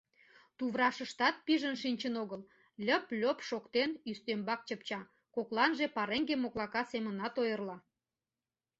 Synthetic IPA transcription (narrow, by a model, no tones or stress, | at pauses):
t̪uβrɑʃəʃt̪ɑt̪̚piʒənʃinʲt͡ɕənoɣəl | lʲəplʲopʃokt̪enyst̪embɑk̚t͡ɕəpt͡ɕɑ | koklɑnʒepɑɾeŋɡemoklɑkɑsemənɑt̪ojərlɑ